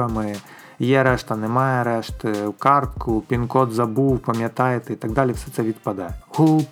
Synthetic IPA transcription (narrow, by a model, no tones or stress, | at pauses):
ɐmɨ | jɛɾɛʂt̪ɐnɨmajɛɾɛʂt̪wkart̪kupʲinkɔd̪zabuwpɐmʲjat̪ajɛt̪ɛit̪aɡd̪alʲɛfsʲɛt̪sɛʋʲit̪pad̪ajɛɣup